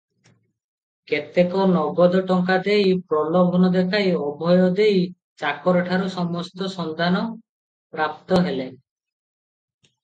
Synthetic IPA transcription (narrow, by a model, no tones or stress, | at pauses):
ket̪ekɔnɔbɔd̪ɔʈɔŋkad̪ejpɾɔlɔbʱɔnɔd̪ekʰajɔbʱɔjɔd̪ej | t͡ʃakɔɾeʈʰaɾusɔmɔst̪ɔsɔnd̪anɔ | pɾap̚t̪ɔɦele